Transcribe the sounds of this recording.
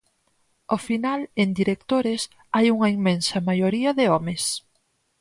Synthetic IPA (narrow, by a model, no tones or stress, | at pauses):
ofinalend̪iɾek̚t̪oɾɪs | ajuŋɐimːẽnsɐmajoɾiɐðɪɔmes